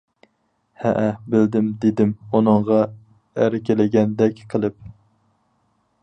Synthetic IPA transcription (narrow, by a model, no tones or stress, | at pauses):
hɛ̰ʔæbɪld̪ɪmd̪ed̪ɪmunɨŋʁɑ | æɾɪkʲelɪɡʲɛnd̪ɛkʲqʰəlˠɨp̚